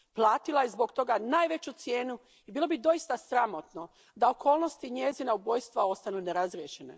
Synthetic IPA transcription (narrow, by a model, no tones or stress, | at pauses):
plˠaːt̪ilajezbo̞ɡt̪o̞ɡanaːjʋe̞t͡ɕut̪sje̞ːnu | ibiːlˠo̞bid̪o̞ist̪asɾamo̞t̪no̞ | d̪aokʰo̞ːlˠno̞st̪iɲezinaubo̞jst̪ʋao̞st̪anune̞ɾazɾjeʃene̞̰